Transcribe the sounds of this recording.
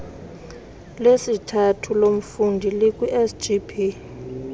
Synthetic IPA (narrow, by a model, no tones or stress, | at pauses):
lesitʰatʰulom̩fundʱilikʼwiʔɛsd͡ʒipʰi